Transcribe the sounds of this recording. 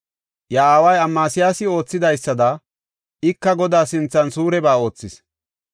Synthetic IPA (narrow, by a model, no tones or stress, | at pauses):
jaaːwɐjɐmːaːsɪjaːsɪo̞ːt͡sːɪd̪ɐjsːɐd̪ɐ | ɪkːɐɡɔd̪aːsɪnt͡sːɐnsuːɾɛbaːo̞ːt͡sːɪs